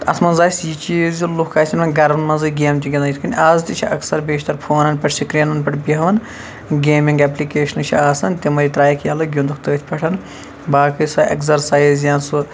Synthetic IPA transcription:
t̪ɐ̰sʰmɐnzaːsʲjit͡ʃiːzʲlukkʰaːsʲʰinɐnɡɐɾɐnmɐnzɨɡʲeːmt͡ʃʲiɡʲɐnɐit̪kɐnʲʔaːzt̪it͡ʃʰiʔɐ̰ksɐɾbeːʃʰt̪ɐɾpʰoːnɐnpʲɐʈsikɾinɐnpʲɐʈʰbʲiɦɐʋɐn | ɡʲeːmiŋɡɐplikeːʃɐnɨt͡ʃʰḭaːsɐnt̪ʲimɐɾʲit̪ɾaːjɐkʰjaːlɐɡʲund̪ukt̪ɨːt̪ʲʰpʰʲɐʈʰɐn | baːkɨsɐekzɐɾsaːjzjaːnsu

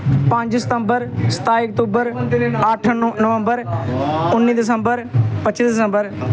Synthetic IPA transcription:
pãɲd͡ʒsɪ̥t̪əmbəɾst̪aːiɐk̚t̪uːbəɾaːʈʰənəʋə̃mbəɾ | ʊnːiːd̪ɪs̬ə̃mbəɾpət͡ʃisd̪ɪsə̃mbəɾ

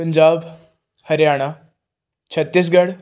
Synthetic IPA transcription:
pəɲd͡ʒaːb | hɐɾjaːɽ̃a | t͡ɕʰɐt̪ːiːs̬ɡəɽ

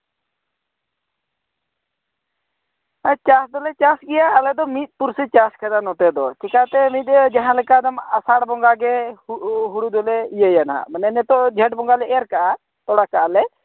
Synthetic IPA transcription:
at͡ʃasd̪ɔlɛt͡ʃasɡɛjaːlɛd̪ɔmit̪̚ˀpuɾsit͡ʃaskɛd̪anɔt̪ɛd̪ɔt͡ʃikat̪ɛmit̪̚ˀd͡ʒaɦãlɛkad̪amasaɽbɔŋɡaɡɛ | ɦuɽud̪ɔlɛijajana̰manɛnɛt̪ɔd͡ʒʱɛʈbɔŋɡalɛɛɾkaʔa | t̪ɔɽakaʔalɛ

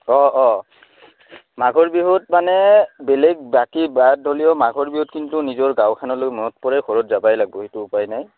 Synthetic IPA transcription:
ɔɔ | maɡʱɔɹbiɦotmanɛbelɛɡ̚bakibad̚dʱolijɔmaɡʱɔɹbiɦot̚kintʊnizɔɹɡãwkʰanɔlomɔnɔt̚pɔɹɛxɔɹɔtzabajlaɡ̚bɔɦitʊʊpajnaj

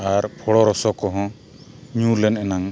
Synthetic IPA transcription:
aɾpʰɔɽɔɾɔsɔkɔɦɔ̃ | ɲulɛnɛnaŋ

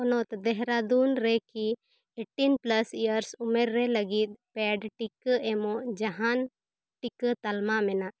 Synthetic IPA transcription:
ɔnɔt̪d̪ɛɦɾad̪unɾɛki | eʈinplasijəɾsumɛɾːɛləɡit̪̚pɛɖʈikəɛmɔʔd͡ʒaɦan | ʈikət̪almamɛnaʔ

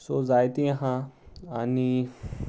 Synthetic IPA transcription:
sod͡zajt̪eɦãani

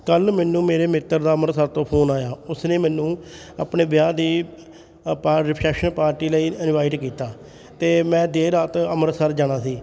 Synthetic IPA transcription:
kəlmɛːnːũːmeːɾeːmɪt̪ːəɾd̪aːəməɾsəɾt̪õːpʰoːnaːjaːʊsneːmɛ̃ːnũː | ə̰ːpneːʋɪjaːd̪iː | paːɾɪpʰɾɛːpʃənpaːɾʈiːləiːɪnʋaːɪʈkiːt̪aː | t̪eːmɛ̃ːd̪eːɾaːt̪əməɾsəɾd͡ʒaːɽ̃aːsiː

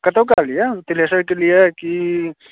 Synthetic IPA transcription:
kɐt̪əwk̬alijet̪ɪleːsəɾkelijeki

